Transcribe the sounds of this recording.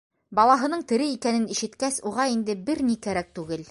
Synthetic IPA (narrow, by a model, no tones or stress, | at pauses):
bɑlˠɑɦɤ̆nɤɴt̪ɘ̆ɾɘikænɘniʃɘ̆t̪kæsuʁɑind̪ɘbɘɾnikæɾæk̚t̪ʉɡɘl